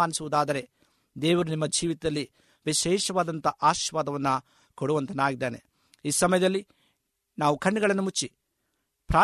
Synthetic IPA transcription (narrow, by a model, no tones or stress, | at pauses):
aːnisuʋud̪aːd̪ɐɾe̞ | d̪ɛːʋɐɾunimːɐd͡ʒiːʋit̪ɐd̪ɐlːi | ʋiʃɛːʃɐʋaːd̪ɐnt̪ɐʔaːʃʋaːd̪ɐʋɐnːɐ | koɽuʋɐnt̪ɐnaːɡid̪ːeːne̞ | iːsɐmɐjɐd̪ɐlːi | naːʋukʰɐɳːiɡɐɭɐnːumut͡ʃːi | pɾaː